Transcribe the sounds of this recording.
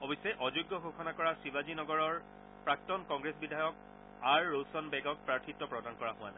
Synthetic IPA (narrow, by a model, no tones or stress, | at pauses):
ɔbɔsːɛʔɔzuɡːɔxokʰɔnakɔɹasibazinɔɡɔɹɔɹ | pɹak̚tɔnkɔŋɡɹesbidʱajɔk̚ | aɹːowsɔnbɛɡɔk̚pɹaɹtʰitːɔpɹɔdankɔɹaɦʊwa̰na̰